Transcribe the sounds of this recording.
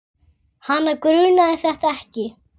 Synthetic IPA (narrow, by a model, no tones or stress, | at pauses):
hanːakɾʏːnaðɪθɛht̪aɛhcɪ